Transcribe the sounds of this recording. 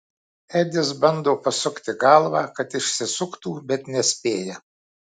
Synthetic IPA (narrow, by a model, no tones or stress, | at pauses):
æd̪ʲɪsbɐnd̪oːpɐsʊkt̪ʲɪɡɐlˠʋɑːkɐt̪ɪʃʲsʲɪsʊkt̪uːbʲɛt̪nʲɛsʲpʲeːjɛ